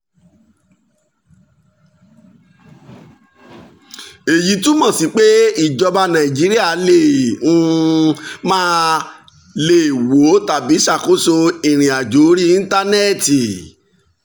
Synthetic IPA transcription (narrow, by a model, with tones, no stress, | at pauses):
e˨ji˨˦tũ˦mɔ̃˦˨si˨˦k͡pe˦i˦˨d͡ʒɔ˧ba˧nã˨i˨d͡ʒi˨˦ɾi˦a˦˨˦le˦˨ũ˦ | mãː˦ | le˦˨wo˨˦ta˨bi˨˦ʃa˦˨ko˨˦so˧i˨ɾ̃ĩ˨a˨d͡ʒo˨˦ɾi˦ĩ˦ta˦nɛ˦˨ti˨